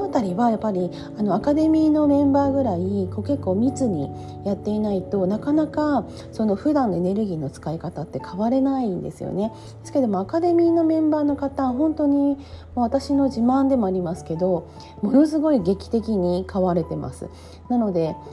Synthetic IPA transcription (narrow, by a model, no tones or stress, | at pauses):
ot̪aɾʲiβajapːaɾʲi | ano̞akad̪e̞mʲiːno̞mẽ̞mbaːɡɯ̟ɾaiko̞ke̞kːo̞ːmʲit͡sɨɲ̟i | jat̪ːe̞inait̪o̞nakanaka | so̞no̞ɸɯ̟d̪ãnːo̞ene̞ɾɯ̟ɡʲiːno̞t͡sɨ̥kaikat̪at̪ːe̞kʰaβaɾe̞naind̪e̞̰sɨjo̰ne̞ | d̪esɨ̥ked̪o̞mo̞akad̪e̞mʲiːno̞mẽ̞mbaːno̞kat̪ãɦõ̞nt̪o̞ɲ̟imoβat̪aɕino̞ʑimãnd̪e̞mo̞aɾʲimasɨ̥ke̞d̪o̞ | mo̞no̞sɨɡo̞iɡe̞kʲi̥t̪e̞kʲiɲ̟ikaβaɾe̞t̪e̞ma̰sɨ̰ | nano̞d̪e̞